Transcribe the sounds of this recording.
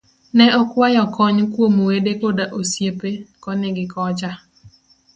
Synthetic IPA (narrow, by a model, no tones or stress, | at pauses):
nɛɔkwajɔkɔɲkwomowedekodaʔosjepekɔnɪɡɪkɔt͡ʃa